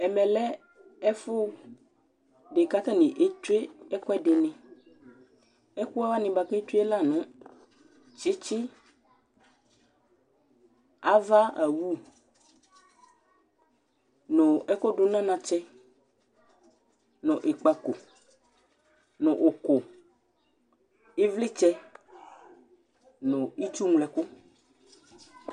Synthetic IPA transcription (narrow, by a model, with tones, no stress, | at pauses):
ɛ˨mɛ̃˨lɛ˦ | ɛ˦fʊ˦ | ɖe˨ka˦t̪a˦nɪ̃˨ʔe˦tu˦e˦ɛ˦kɔ˦ɛ˦dɪ˨nɛ̃˨ | ɛ˦ku˦a˦va˦nɪ̃˨ba˨ke˦te˦la˦˨nʊ̃˦ | t͡ʃɪ˦t͡ʃɪ˦ | a˦va˦a˨wu˦ | nɔ̃˨ɛ˦kɔ˦ɖo˦nã˦nã˨t͡ʃɛ˦ | nɔ̃˨ʔe˨k͡pa˨ko˨ | nɔ̃˨ʔo˨ko˨ | e˦vli˦t͡ʃɛ˦ | nɔ̃˨i˦t͡ʃu˦ŋ˨lɛ˨kʊ˦